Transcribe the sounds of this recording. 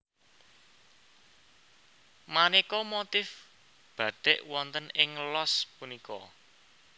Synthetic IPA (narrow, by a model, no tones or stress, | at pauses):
manikɔmot̪ɪf | b̥ä̤d̪̥ɪʔwɔnt̪ənɪŋlɔspunikɔ̰